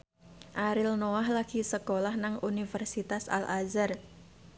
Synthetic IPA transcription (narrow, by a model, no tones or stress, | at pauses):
ʔaɾɪlnoahlaɡ̥isəkolahnaŋunifərsit̪asa̰lʔazər